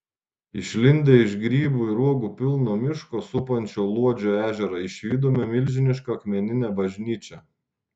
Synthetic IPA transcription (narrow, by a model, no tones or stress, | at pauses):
ɪʃʲlʲɪnʲd̪ʲeɪʃɡɾʲiːbuːiɾuɔɡuːpʲɪlˠnoːmʲɪʃkoːsʊpɐnʲt͡ʃʲoːlˠuɔd͡ʒʲoːæːʒʲɛɾɐɪʃʲʋʲiːd̪oːmʲɛmʲɪlʲʒʲɪnʲɪʃkɐɐkmʲɛnʲɪnʲæːbɐʒʲnʲiːt͡ʃʲɛ